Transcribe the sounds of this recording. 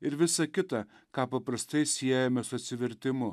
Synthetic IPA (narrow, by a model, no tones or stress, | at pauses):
ɪɾʋʲɪsɐkʲɪt̪ɐ | kɑːpɐpɾɐst̪ɐɪsʲiɛjɛmʲɛsʊɐt̪ʲsʲɪʋʲɛɾʲt̪ʲɪmʊ